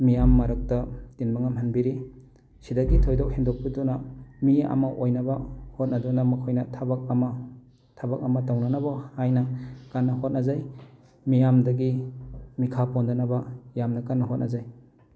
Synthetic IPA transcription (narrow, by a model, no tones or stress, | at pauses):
mijamːaɾɯk̚tɐtinmaŋamɦanbiɾi | sidaɡitʰojdawhendok̚pidɔnamia̰maʔojnabahot̚nadɔnamakʰojnɐtʰabak̚ama | tʰabak̚amatawnanabahajnɐkanːɐhot̚nazaj | mijamdɐɡimikʰapɔndanabajamnakanːɐɦot̚nʔazaj